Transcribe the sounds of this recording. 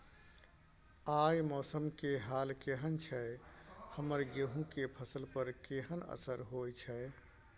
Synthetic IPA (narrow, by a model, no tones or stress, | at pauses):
ajmɔːsəmkeɦalkeɦənt͡ʃʰɛ | həməɾɡeɦũkepʰəsəlpəɾkeɦənə̰səɾɦojt͡ʃʰɛɪ